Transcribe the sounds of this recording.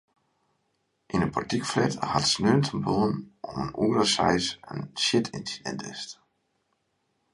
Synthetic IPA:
ʔinəpɔrtikflɛthatsnøːntʰənboənɔmənuːərəsɛ̰jsə̰nʃjɪtʰḭnsidɛ̰ntɪst

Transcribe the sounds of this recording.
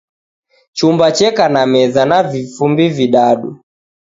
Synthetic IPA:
t͡ʃumbat͡ʃɛkanamɛzanavifumbiviɗaɗu

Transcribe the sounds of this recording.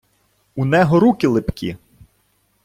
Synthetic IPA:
unɛɦɔɾukʲɪlˠɪpkʲḭ

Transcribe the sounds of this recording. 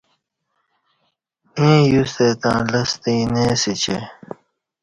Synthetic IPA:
ẽːjust̪et̪ã̰ːlɐst̪ĩːneːsit͡ɕḛ

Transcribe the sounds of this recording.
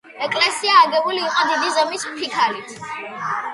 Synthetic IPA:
ɛkʼlɛsiaːɡɛbuliːqʼɔd̪id̪izɔmispʰikʰalit̪ʰ

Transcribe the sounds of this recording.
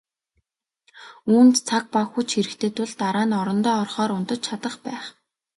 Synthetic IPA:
uːnt̪t͡sʰak̚paxujt͡ɕxeɾɘ̆kt̪ʰeːt̪ʰʊɮt̪aɾaːnɔɾɞ̆nt̪ɔːɔrχɔːɾʊnt̪ə̆t͡ɕt͡ɕʰat̪ə̆χpæːχ

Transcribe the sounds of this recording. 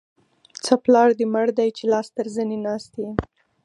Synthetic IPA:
t͡səplɑɽd̪eməɽd̪ajt͡ʃelɑst̪əɾzənenɑst̪e

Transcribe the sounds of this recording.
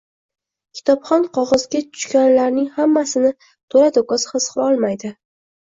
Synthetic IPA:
kʲʰɪ̥t̪ʰɒpχɒnqʰɒʁɒzɡʲatʰʊ̥ʃkʲanlaɾnɪŋhamːasɪnɪ | t̪ʰoɾad̪okɒsχɨsqʰɨlˠɒlˠmajd̪ɪ

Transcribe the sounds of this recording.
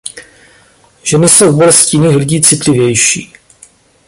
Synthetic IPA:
ʒ̥ɛnɪso̞wbolɛscɪjɪniːxlɪɟiːt͡sɪt̪lɪvjɛjʃḭː

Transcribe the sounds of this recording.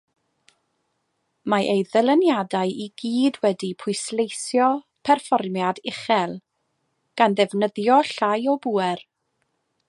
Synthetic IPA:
maʔejðəlˠənjadajʔiɡiːdwɛdipʰʊjslejsjɔ | pʰɛrfɔrmjadɪχɛlˠ | ɡ̥anðɛvnəðjɔɬajɔbuːɛr

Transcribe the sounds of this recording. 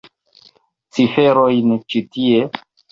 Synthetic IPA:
t͡sifeɾojnt͡ʃitie

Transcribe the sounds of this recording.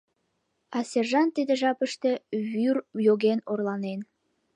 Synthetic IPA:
ɑsʲerʒɑnt̪id̪eʒɑpəʃt̪e̽βyrjoɣenorlɑnen

